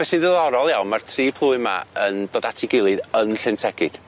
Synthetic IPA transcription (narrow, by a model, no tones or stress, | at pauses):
v̥ɛsɪðɪlˠɔɾɔlˠjawnmartʰriːpʰlˠuːɨma̰əndɔdatʰɪɡɪlˠɨðənɬɪntʰɛɡɪd̥